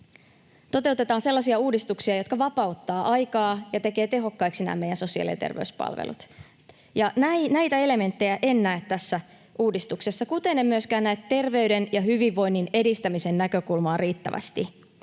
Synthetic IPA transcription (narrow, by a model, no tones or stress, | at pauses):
t̪o̞t̪e̞ut̪et̪ɑːnse̞lːɑsiɑuːdist̪uksiɑjo̞t̪kɑʋɑpɑut̪ːɑːʔɑjkɑːjɑt̪e̞ke̞ːt̪e̞ɦo̞kːɑiksinæ̰ːme̞jænso̞siɑ̰lḭḛt̪ḛrʋḛyspɑ̰lʋḛlṵt̪ | jɑnænæjt̪æe̞le̞me̞nt̪ːe̞jæʔenːæːt̪t̪æsːæ | ʔuːdist̪ukse̞sːɑkut̪e̞nːemyøskæːnnæet̪t̪ːe̞rʋe̞yde̞njɑɦyʋiʋːo̞jnːine̞dist̪æmise̞nnækø̞kulmɑːriːt̪ːæʋæ̰st̪i